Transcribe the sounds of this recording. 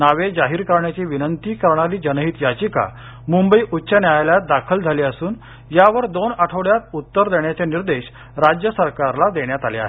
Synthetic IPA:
naʋed͡zaɦiːɾkəɾɳjat͡ɕiːʋinənt̪iːkəɾɳaɾiːd͡ʑənəɦiːt̪jat͡ɕika̰ | mumbəiʔut̪ːɕənjajajljat̪̚d̪akʰəld͡zʱaliːəsuːn | jaʋəɾd̪onaʈʰəɽjat̪̚ut̪ːəɾd̪eɳjat͡ɕeniɾd̪eɕ | ɾad͡ʑjəsəɾkaɾlad̪eɳjat̪aleaɦe

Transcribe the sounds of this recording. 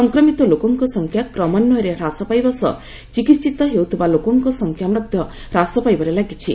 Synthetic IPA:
sɔŋkɾɔmit̪ɔlokɔŋkɔsɔŋkʰjakɾɔmanːɔɾeɾasɔpajbɔsɔ̰ | t͡ʃikit̪t͡ʃit̪ɔɦeut̪ʰibalokɔŋkɔsɔŋkʰjamɾɔd̪ʱjɔ | ɾasɔpajbɔɾelaɡit͡ʃʰi

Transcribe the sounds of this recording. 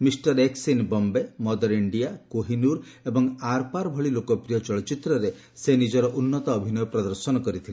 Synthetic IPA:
misʈɔɾeksinbɔmbemɔd̪ɔɾiɳɖijakoɦinuɾ | ebɔŋaɾpaɾbʱɔɭilokɔpɾijɔt͡ʃɔɭɔt͡ʃit̪ɾɔɾe | senid͡ʒɔɾɔʔunːɔt̪ɔːbʱinɔjɔpɾɔd̪ɔɾsɔnɔkɔɾit̪ʰile

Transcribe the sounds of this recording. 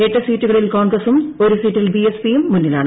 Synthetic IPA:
eʈːɐsiːtːuɣɐɭilkoːnɡrɐsumo̞ɾusiːtːilbiespijumːunːila̰ːɳɨ

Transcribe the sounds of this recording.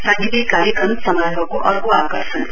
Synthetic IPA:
saŋɡid̪ikaɾjekʌmsʌmajbʱʌkoʔʌɾɡoakʌrsʰʌn

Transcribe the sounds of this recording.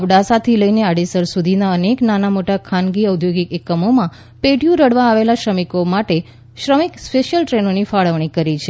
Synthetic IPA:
əʋɖasat̪ʰiləineaɽisəɾsud̪ʱinaəneknanamoʈakʰanɡiəwd̪ʱjoɡikekːəmomã | peʈjũɾəɽʋaːʋelaʃɾəmikomaʈe | ʃɾəmikspeʃjəlʈɾenonifaɭəʋɳ̃ikəɾit͡ʃʰe

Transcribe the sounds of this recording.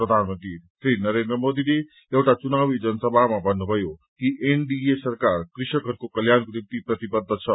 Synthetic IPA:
pɾəd̪ʱanmənt̪ɾisɾinʌɾend̪ɾəmod̪ile | ewʈat͡sunawid͡zʌnəsʌbʱamabʱʌnːubʱʌjokiʔeɳɖiesɐɾkaɾkɾiʃʌkʰʌɾkokʌljankɾip̚t̪ipɾʌt̪ibəd̪ʱːət͡sʰʌ

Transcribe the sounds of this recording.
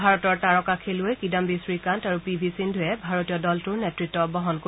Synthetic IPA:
bʱaɹɔtɔɹtaɹɔkakʰeluojkidambisɹikantaɹupibʱisindʱʊjɛbʱaɹotijɔdɔltʊɹnetɹitːɔbɔɦɔnko

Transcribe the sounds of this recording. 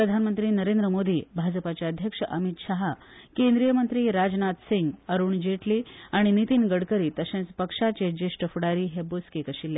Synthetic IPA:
pɾəd̪ʱanmənt̪ɾiːnəɾend̪ɾəmod̪ʱiːbʱad͡zəpat͡ɕjaəd̪ʱjəkʂəʔəmit̪ɕaɦa | kend̪ɾijəmənt̪ɾiːɾad͡znat̪siŋɡəɾuːɳd͡ʑeʈliːaɽ̃init̪iːnɡəɽkəɾiːt̪əɕẽnt͡spəkʂat͡ɕed͡ʑeʂʈəfuɽaɾiːɦeboskekəɕilːja

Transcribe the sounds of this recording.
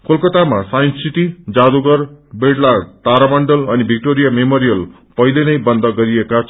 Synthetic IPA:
kolkʌt̪amasajnsiʈ̪id͡zad̪uɡʌrbeɽlart̪aɾamʌɳɖʌlʌnibʱik̚ʈoɾijamemoɾijʌl | pʌjlenʌjbʌnd̪ʌɡʌɾiekat͡sʰ

